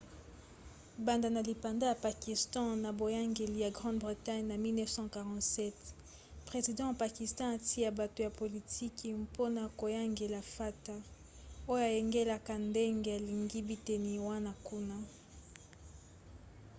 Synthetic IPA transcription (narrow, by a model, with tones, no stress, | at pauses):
ba˨nda˨na˨li˨pa˨nda˦ja˨pa˨ki˨stɑ̃˦na˨bo˨ja˦ŋɡe˨li˨ja˨ɡʁɑ̃˦dbʁi˨ta˦ɲna˨mi˦lnɛ˦fsɑ̃˦ka˨ʁɑ̃˦tsɛ˦t | pʁe˨zi˨dɑ̃˦ja˨pa˨ki˨stɑ̃˦a˨tʰi˦a˨ba˨to˨ja˨po˨li˨tʰi˦kmpo˦na˨ko˨ja˦ŋɡe˨la˨fa˦ta˦ | o˦jo˦a˨je˨ŋɡe˦la˦ka˨nde˦ŋɡe˨a˨li˨ŋɡi˦bi˦te˨ni˨wa˦na˦ku˦na˦